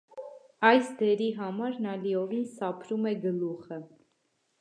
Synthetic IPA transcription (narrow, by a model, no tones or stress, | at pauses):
ɑjsd̪ɛɾiɦɑmɑɾnɑliɔvinsɑpʰɾumɛɡəluχə